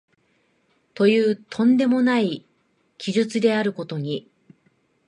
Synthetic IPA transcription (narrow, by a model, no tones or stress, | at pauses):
t̪o̞jɯːt̪ʰõ̞nd̪e̞mo̞nai | kʲiʑɨt͡sɨd̪e̞aɾɯ̟ko̞t̪o̞ɲ̟i